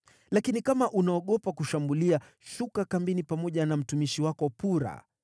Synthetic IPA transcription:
lakinikamaʔunaɔɠɔpakuʃambulia | ʃukakambinipamɔʄanam̩tumiʃiwakɔpuɾa̰

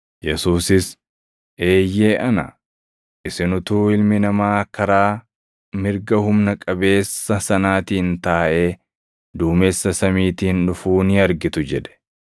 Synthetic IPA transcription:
jɛsuːsɪs | ʔe̞ːjːe̞ːʔɐnɐ̰ | ʔɪsɪnʊt̪uːɪlmɪnɐmaːkɐɾaː | mɪɾɡɐhʊmnɐkʼɐbe̞ːsːɐsɐnaːt̪iːnt̪aːʔe̞ː | d̪uːmeːsːɐsɐmiːt̪ɪɪnᶑʊfuːnɪɐɾɡɪt̪ʊd͡ʒɛᶑɛ̥

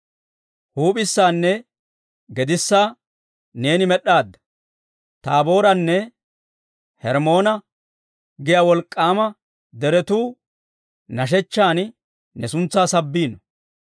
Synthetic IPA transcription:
huːpʼɪsːaːnːɛ | ɡɛd̪ɪsːaː | ne̞ːnɪmɛɗːaːd̪ːɐ̥ | t̪aːbo̞ːɾɐnːɛ | hɛɾmo̞ːnɐ | ɡɪjawɔlkʼːaːmɐ | d̪ɛɾɛt̪uː | nɐʃ̬ɛt͡ʃːaːn | nɛsʊnt͡sːaːsɐbːiːnɔ

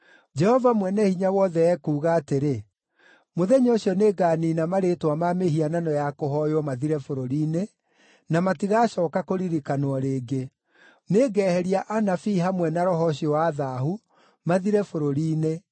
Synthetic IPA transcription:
d͡ʒɛhɔvamwɛnɛhiɲawɔðɛɛkuːɣaːteɾe | moðɛɲoɕiɔneːɡaːninamaɾetwamameɦiananɔjakoɦɔjwɔmaðiɾɛfoɾoɾiːne | namatiɣaːɕɔːkakoɾiɾikanwɔɾeːɡe | neːɡɛːhɛɾiaʔanafiɦamwɛnaɾɔɦɔɕiɔwaðahu | maðiɾɛfoɾoɾiːne

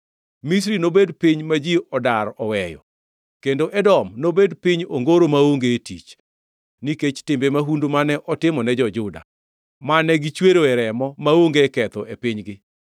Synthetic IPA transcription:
mis̬ɾinobedpiɲmad͡ʒiʔɔdaɾɔwɛjɔ̰ | kendoʔɛdɔmnobedpiɲoŋɡoɾomaoŋɡetit͡ʃ | niket͡ʃtɪmbemaɦundomanɛʔɔtɪmɔnɛd͡ʒɔd͡ʒʊda̰ | manɛɡit͡ʃweɾoɛɾɛmɔmaoŋɡekɛt̪ɔepɪɲɡɪ

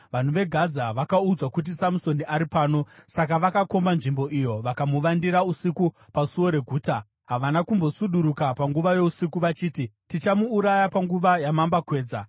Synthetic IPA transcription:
ʋan̤uʋe̞ɡʱazaʋakaud͡zwakut̬isamuso̞niʔaɾipaːno̞sakaʋakako̞mbanʐimbo̞ʔijo̞ʋakamuʋandiɾausiku | pasuwo̞ɾe̞ɡʱuːta | ɦaʋanakumbo̞suɗuɾukapaŋɡuʋaje̞usikuʋat͡ʃiːtitit͡ʃamuːɾajapaŋɡuʋajamambakwe̞ːd͡za

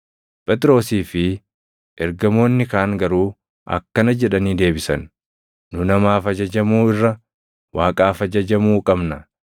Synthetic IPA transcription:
pʼɛt̪ʼɪɾo̞ːsiːfɪ | ʔɛɾɡɐmo̞ːnːɪkaːŋɡɐɾuː | ʔɐ̰kːɐnɐd͡ʒɛᶑɐniːd̪e̞ːbɪsɐ̰n | nːʊnɐmaːfɐd͡ʒɐd͡ʒɐmuːɪrːɐ | waːkʼaːfɐd͡ʒɐd͡ʒɐmuːkʼɐbnɐ

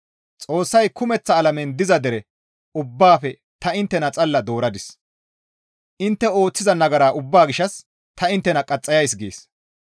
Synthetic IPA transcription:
t͡sʼo̞ːsːɐjkʊmɛt͡sːɐːlɐmɛnd̪ɪzɐd̪ɛɾɛ | ʊbːaːfɛ | t̪ɐɪnt̪ːɛnɐt͡sʼɐlːɐd̪o̞ːɾɐd̪ɪs | ʔɪnt̪ːɛo̞ːt͡sːɪzɐnɐɡɐɾaːʔʊbːaːɡɪʃɐs | t̪ɐɪnt̪ːɛnɐkʼɐt͡sʼːɐjɐjsɡḛːs

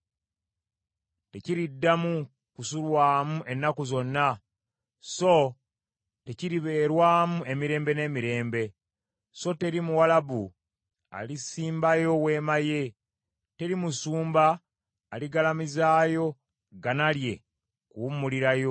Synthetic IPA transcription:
te̞ciɾidːamu | kusulwaːmuʔe̞nːakuzo̞nːa | so̞ | te̞ciɾiβe̞ːɾwaːmuʔe̞miɾe̞ːmbe̞ne̞ːmiɾe̞ːmbe̞ | so̞te̞ɾimuwalaβu | a̰lisiːmbajo̞we̞ːmaje̞ | te̞ɾimusuːmbaː | liɡalamizaːjo̞ | ɡanalje̞ | kuwumːuliɾajo̞

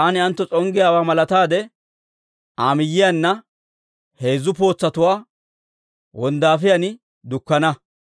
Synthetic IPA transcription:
anɪɐnt̪ːɔt͡sʼɔŋɡɪjaːwaːmɐlɐt̪aːd̪ɛ | ʔaːmɪjːɪjanːɐ | he̞ːzːʊpo̞ːt͡sːɐt̪ʊwaː | wɔnd̪aːfɪjɐnɪ | d̪ʊkːɐnɐ

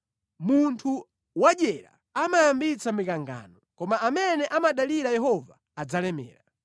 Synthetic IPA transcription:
muntʰu | waɗɛɾa̰ | amajambit͡samikaŋɡa̰nɔkɔmaːmɛnɛʔamaɗaliɾajɛɦɔvaːd͡zalɛmɛ̰ːɾa

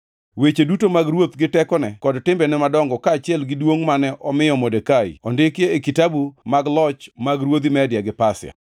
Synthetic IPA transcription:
wet͡ʃedutomaɡɾwot̪ɡɪtɛkɔnɛkɔdtɪmbɛnɛmadɔŋɡɔkaːt͡ʃɪɛlɡɪdwoŋmanɛʔɔmɪjɔmodekaḭɔndɪkeːkitabumaɡlɔt͡ʃmaɡɾwod̪imɛdjaɡɪpasɪa̰

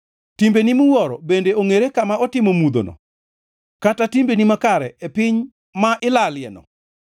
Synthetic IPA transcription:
timbenimuwɔɾɔ̰bendeʔoŋeɾekamaɔtɪmomud̪o̰nɔ̰ | katatimbenimakaɾɛepɪɲ | maʔɪlaljɛnɔ̰

